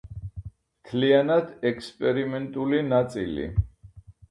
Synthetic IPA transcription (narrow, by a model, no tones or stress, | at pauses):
mt̪ʰlianad̪ɛkʰspʼɛɾimɛnt̪ʼulinat̪sʼḭlḭ